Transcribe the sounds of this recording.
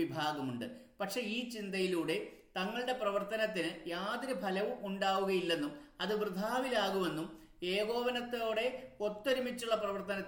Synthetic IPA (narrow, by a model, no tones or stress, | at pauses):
ibʱaːɡɐmuɳɖɨ̰pɐʈʂe̞iːt͡ɕind̪ɐjiluːɽe̞t̪ɐŋːɐɭɨɽe̞prɐʋɐrt̪ɐnɐt̪ːinɨjaːd̪iɾubʱɐlɐʋumʔuɳɖaːʋuɣɐjilːe̞nːumɐðɨʋrɨd̪ʱaːʋilaːɣuʋe̞nːum | e̞ːɣo̞ːʋɐnɐt̪ːo̞ːɽe̞ot̪ːɐɾimit͡ɕːuɭːɐprɐʋɐrt̪ɐnɐt̪ː